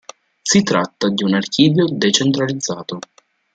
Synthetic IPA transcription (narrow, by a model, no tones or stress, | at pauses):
sit̪ɾa̰t̪ːad̪iunark̟iːvjod̪et͡ʃent̪ɾalid̪zːaːt̪o